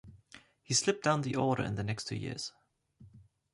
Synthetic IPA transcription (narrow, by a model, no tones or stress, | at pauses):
hislɪp̚d̥ãʊ̃nðiʔɔɹɾə̰˞ɨ̰̃nðənɛkstʰːʉ̰ːjɪ̰ɹz̥